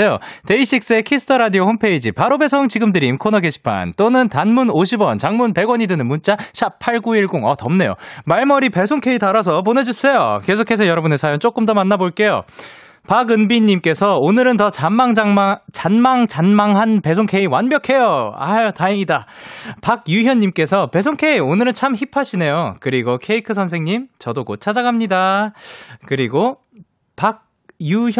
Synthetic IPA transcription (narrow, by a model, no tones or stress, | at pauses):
jo̰te̞iɕʰik̚s͈ekʰisʰɯ̥tʰʌɾadiohompʰe̞id͡ʑipaɾobe̞sʰoŋt͡ɕiɡɯmdɯɾiːmkʰonʌɡeɕʰi̥pʰa̰nt͈onɯntanmunoɕʰibwʌnt͡ɕaŋmunpe̞ɡwʌɲidɯnɯnmunt͡ɕ͈aɕʰapʰaɭɡuiɭɡoŋʌtʌmne̞jo̰maɭmʌɾipe̞sʰoŋkʰe̞itaɾasʰʌp̬one̞d͡ʑus͈ʰe̞jo̰ke̞sʰokʰe̞s̬ʰʌjʌɾʌbunesʰajont͡ɕ͈ok͈ɯmdʌmanːaboɭk͈e̞jo̰ | paɡɯnbiɲːimk͈e̞sʰʌonɯɾɯntʌt͡ɕamaŋt͡ɕanmaŋt͡ɕanmaŋɦanpe̞sʰoŋkʰe̞iwanbjʌkʰe̞joa̰jotaiŋidapak̚juçjʌɲːimk͈e̞sʰʌpe̞s̬ʰoŋkʰe̞ionɯɾɯnt͡ɕʰamçipʰaɕʰine̞jokɯɾiɡokʰe̞ikʰɯs̬ʰʌnsʰeŋɲimt͡ɕʌdokot͡ɕʰad͡ʑaɡamɲida | kɯɾiɡo | pak̚ | juj